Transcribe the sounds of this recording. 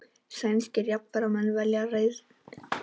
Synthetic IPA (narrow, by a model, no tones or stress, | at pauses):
sajnscɪrjap̪p̪aɾawmɛnvaljareːjð